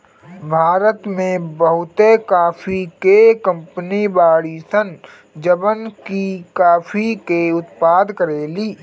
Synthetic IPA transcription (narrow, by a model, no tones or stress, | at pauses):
bʱaːɾət̪mẽbɐɦʊt̪ekaːfʰikekə̃mpənibaːɽisən | d͡ʒəbənkikaːfʰikeʊt̪paːd̪kəɾeːliː